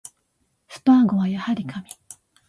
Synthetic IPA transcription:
sɨ̥t̪oaɡo̞βajahaɾʲikʰamʲi̥

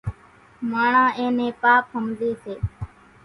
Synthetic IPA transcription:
maːɳãːʔẽːnẽːpaːpɦəmd̪iːseː

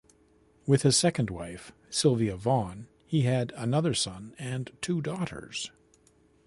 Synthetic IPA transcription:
wɨð̥ɨz̥sɛkɨ̃n̩d̚waɪf | sɪlˠviɨvɑ̃n | hiɨɾənʌðə˞sʌ̃nɨ̃ntʰudɔɾə̰˞z̥

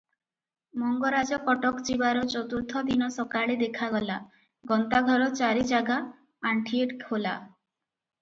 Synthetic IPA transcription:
mɔŋɡɔɾad͡ʒɔkɔʈɔkd͡ʒibaɾɔt͡ʃɔt̪uɾt̪ʰɔd̪inɔsɔkaɭed̪ekʰaɡɔla | ɡɔnt̪aɡʱɔɾɔt͡ʃaɾid͡ʒaɡaː | ɳʈʰieʈkʰhola̰

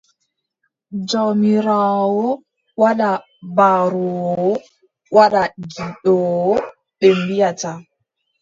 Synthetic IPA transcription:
d͡ʒɔmiɾaːwɔ | waɗa | baɾɔwɔ | waɗaɡiɗɔwɔ | ɓembijata

